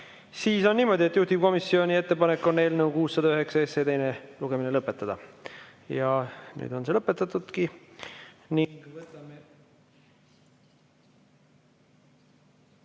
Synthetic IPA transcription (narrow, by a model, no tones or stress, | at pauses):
siːso̞nːiːmo̞d̪̥ʲie̞t̪juht̪iv̥ko̞misːio̞nʲie̞t̪ːe̞pɑne̞kːo̞ne̞ːlneukuːsːɑd̪̥ɑyɦe̞ksɑeset̪e̞jneluɡ̥e̞minelɤpːˑe̞t̪ˑːɑd̪̥ɑ | jɑny̰ːd̪̥o̞nse̞lɤpːˑe̞t̪ːˑɑt̪ːˑud̪̥ki | nivt̪ːɑm